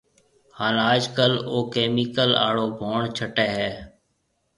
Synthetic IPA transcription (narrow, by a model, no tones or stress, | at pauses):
haːnaːd͡ʒkəloːkeːmiːkəla̰ːɽoːbʱoːɳt͡ʃʰəʈɛːɦɛː